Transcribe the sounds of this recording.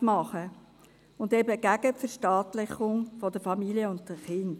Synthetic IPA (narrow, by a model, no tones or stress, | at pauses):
mɑχə | ʊndɛbəɡ̥æɡ̥əfəɾʃtɑːtlɪχʊŋfɔdəɾfɑmiliəʊnt̚təχɪnd